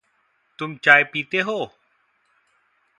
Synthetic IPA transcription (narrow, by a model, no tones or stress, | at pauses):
t̪ʊmt͡ʃaːjpiːt̪eːɦoː